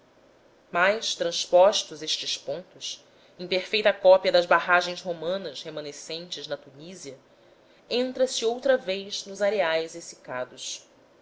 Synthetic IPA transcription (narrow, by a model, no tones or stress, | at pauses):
majʃt̪ɾɐ̃ʃpɔʃt̪ʊzeʃt͡ʃɪspõnt̪ʊs | ẽpeɾfejt̪ɐkɔpiɐd̪ɐzbaɦaʒẽj̃zɦomɐ̃nɐshemɐ̃nesẽnt͡ʃɪznɐt̪uniziɐ | ẽnt̪ɾɐsɪowt̪ɾɐvejznʊzaɾeajzesi̥kad̪ʊs